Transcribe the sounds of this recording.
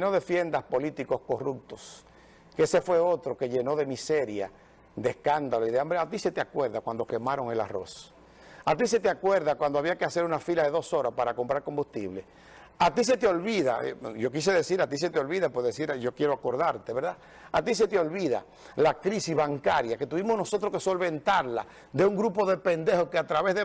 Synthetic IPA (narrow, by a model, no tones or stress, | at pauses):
no̞ðe̞fje̞nd̪aspo̞lit̪iko̞sko̞rup̚t̪os | keese̞fwe̞o̞t̪ɾo̞ke̞ʝe̞no̞ðe̞mise̞ɾja | d̪eeskand̪aloiðeambeat̪ise̞t̪eakwe̞ɾðakwand̪o̞ke̞maɾo̞ŋe̞la̰ro̞̰s | at̪is̬e̞t̪eakwe̞ɾðakwand̪oaβiakease̞ɾunafilaðe̞ðoso̞ɾaspaɾako̞mpɾaɾko̞mbust̪iβle | at̪is̬e̞t̪eo̞lβiða̰ʝo̞k̬is̬eðe̞siɾat̪is̬et̪eo̞lβiðapoɾðesiɾʝo̞kje̞ɾoako̞ɾðaɾt̪eβe̞ɾða | at̪is̬e̞t̪eo̞lβiða̰ | lakɾisizβaŋkaɾjake̞t̪uβimosno̞so̞t̪ɾoskeso̞lβe̞nt̪aɾla̰ | d̪e̞uŋɡɾupo̞ðe̞pe̞nd̪e̞hokeat̪ɾaβezðe